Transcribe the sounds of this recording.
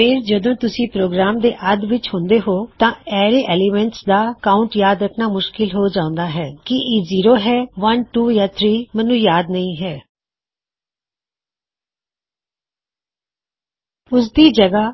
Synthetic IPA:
pɪɾd͡ʒəd̪õːt̪ʊsĩːpɾoːɡɾaːmd̪eːʔəd̪ʋɪt͡ʃhʊ̃nd̪eːɦoːt̪ãːɛːɾeːʔɛːliːmɛ̃ɳʈsd̪aːkaːʊɳʈjaːd̪ɾəkʰnaːmʊʃkɪlɦoːd͡ʒãːʊ̃nd̪aːɦɛːkɪʔiziːɾoːɦɛːʋənʈuːjaːt̪ʰɾiːmənːũːjaːd̪nəĩːɦɛː | ʊsd̪iːd͡ʒəɡaː

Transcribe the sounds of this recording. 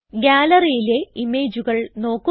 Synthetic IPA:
ɡʲaːlɐrijile̞imeːd͡ʑuɣɐɭno̞ːkːu

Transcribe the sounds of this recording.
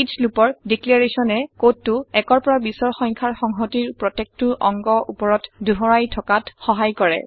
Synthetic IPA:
islupɔɹdiklaɹesɔnɛkotːʊɛkɔɹpɔɹabisɔɹxɔŋkʰaɹxɔŋɦɔtiɹpɹɔtek̚tuʔɔ̰ŋɡɔʔupɔɹɔtduɦɔɹajtʰɔkatxɔɦajkɔɹɛ̰

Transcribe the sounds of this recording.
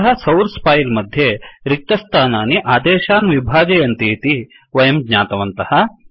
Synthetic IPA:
ɦɐ̆sɐwɾspʰaːjlmɐd̪ʱjeɾik̚t̪ɐst̪ʰaːnaːniʔaːd̪eːʃaːnʋibʱaːd͡ʒɐjɐnt̪eːt̪i | ʋɐjɐmɡɲaːt̪ɐʋɐnt̪ɐhɐ̆

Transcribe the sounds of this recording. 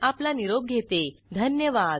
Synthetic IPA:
aplaniɾob̚ɡʱet̪ed̪ʱənjəʋad̪

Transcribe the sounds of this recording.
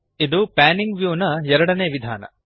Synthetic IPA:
id̪upaːniŋɡʋjuːnɐɛɾɐɽɐneːʋid̪ʱa̰ːnɐ̰

